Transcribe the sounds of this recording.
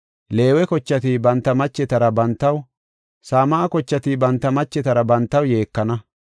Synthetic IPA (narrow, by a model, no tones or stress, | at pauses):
le̞ːwɛkɔt͡ʃːɐt̪ibɐnt̪ːɐmɐt͡ʃːɛt̪ɐɾɐbɐnt̪ːɐw | saːmaːkɔt͡ʃːɐt̪ibɐnt̪ːɐmɐt͡ʃːɛt̪ɐɾɐbɐnt̪ːɐwje̞ːkːɐnɐ